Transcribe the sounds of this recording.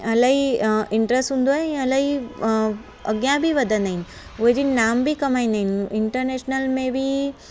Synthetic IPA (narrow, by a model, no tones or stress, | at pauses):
ɐlaɦiɪɳʈɾesʈɦũːnd̪oaɦeĩɐlaɦi | ɐ̰ɡjãbʱiʋɐd̪ʱənaɦɪn | ʊɦed͡ʑinaːmbʱikɐmaːinaɦinɪɳʈəɾneːʃnəlmẽbʱi